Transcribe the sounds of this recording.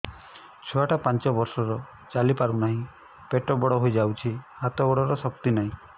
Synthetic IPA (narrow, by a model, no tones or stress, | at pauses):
t͡ʃʰɔaʈapant͡ʃɔbɔɾsɔɾɔ | t͡ʃalipaɾunaɦĩ | peʈɔbɔɽɔɦojd͡ʒawt͡ʃʰihat̪ɔbɔɽɔɾɔsɔk̚t̪inaɦĩ